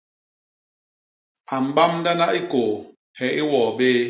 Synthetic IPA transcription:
a˨m̩˨ba˦mnda˦na˦ʔi˦ko˨ | hɛ˨ʔi˦wɔː˨beː˦

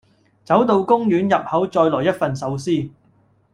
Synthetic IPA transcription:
t͡sɐ˨˥wt̪o˧wkʊ˥ŋjyː˨˥njɐ˨p̚hɐ˨˥wt͡sɔː˧jlɔː˨˩jɐ˥t̚fɐ˨nsɐ˨˥wsiː˥

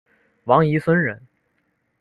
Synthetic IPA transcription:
wɑ˧˥ŋi˧˥swə˥nɻə˧˥n

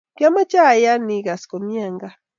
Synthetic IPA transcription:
ka˦ma˦t͡ʃa˦˨ja˦ni˨ɡa˨sko˨mja˦˨ŋɡa˦

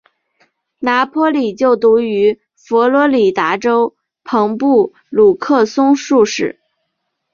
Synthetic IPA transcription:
na˧˥pʰɔ˥li˨˩t͡ɕjo˥˩ʊt̪u˧˥y˧˥ | fɔ˧˥lwɔ˧˥li˨˩t̪a˧˥ʈ͡ʂo˥ʊ | pʰɤ˧˥ŋpu˥˩ | lu˨˩kʰɤ˥˩sʊ˥ŋʂu˥˧ʂɻ̩˥˩

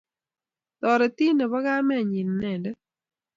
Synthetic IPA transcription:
t̪ɔ˨ɾe˨t̪i˦nɛ˨βɔ˦ɡa˦mɛ˦˨ɲi˨nːɛ˨ndɛ˦

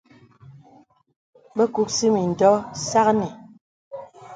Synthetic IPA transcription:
bɛ˦ku˦k̚si˦mi˨n̩˨dɔ˦sa˦knɛ˨

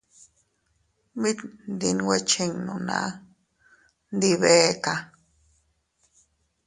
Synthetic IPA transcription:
bi˦t̪nd̪i˧nwe˦t͡ʃi˧ŋnũ˨nã̰˧ | nd̪i˧βe˦ka˧

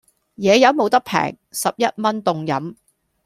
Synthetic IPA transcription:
jɛː˨˧jɐ˨˥wmo˨˧wt̪ɐ˥k̚pʰɛ̰ː˨˩ŋ | sɐ˨p̚jɐ˥t̚mɐ˥nt̪ʊ˨ŋjɐ˨˥m

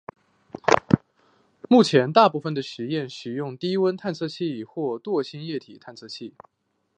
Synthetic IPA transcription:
mu˥˩t͡ɕʰjɛ˧˥nt̪a˥˧pu˥˩fə˩nd̪ə˩ʂɻ̩˧˥jɛ˥˩nɕɻ̩˨˩jʊ˥˧ŋt̪i˥wə˥nt̪ʰa˥˧nt͡sʰɤ˥˧ɕʰi˥˩xwɔ˥˧t̪wɔ˥˩ɕi˥njɛ˥˩t̪ʰi˨˩t̪ʰa˥˧nt͡sʰɤ˥˧ɕʰi˥˩

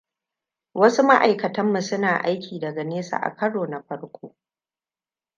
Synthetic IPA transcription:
wɐ˦su˦ma˦ʔa˨jkɐ˨tɐ˦mːu˨sʊ˦naː˨ʔa˦jkʲʰiː˨dɐ˨ɡɐ˨neː˦sa̰ː˨ʔa̰˨kʰɐ˦ɽoː˨na˨ɸɐ˦ɽkʷʰoː˦

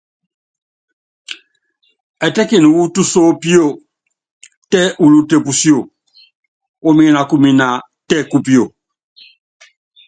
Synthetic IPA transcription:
ɛ˨tɛ˦ki˨nu˨wu˦tu˦so˦pi˦o˦˨ | tɛ˦ʔu˨lu˦te˨pu˨si˦o˨ | o˦mĩ˦na˨ku˦mĩ˨na˨ | tɛ˦ku˦pi˦o˨

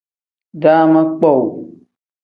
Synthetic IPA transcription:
da˦ma˦k͡pɔ˦˨w

